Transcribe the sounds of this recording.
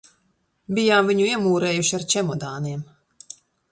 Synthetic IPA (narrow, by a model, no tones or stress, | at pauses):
bijaːmviɲuiɛmuːɾɛːjuʃiaɾt͡ʃɛmɔd̪aːniɛm